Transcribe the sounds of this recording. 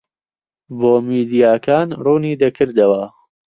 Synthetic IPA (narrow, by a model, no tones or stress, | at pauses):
boːmiːd̪ijaːkʰaːnruːniːd̪ɐkʰɨɾd̪ɐwɐ